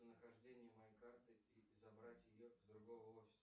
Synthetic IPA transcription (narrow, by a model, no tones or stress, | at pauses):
ənəxɐʐdʲenʲɪjəmɐjejkart̪ɨiɪzɐbɾatʲjɪjozd̪ɾʊɡo̞vəofʲɪ̥s